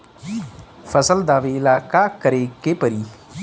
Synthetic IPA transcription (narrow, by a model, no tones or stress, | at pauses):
fəsəld̪aːʋeɪlaːkakəɾekepəɾiː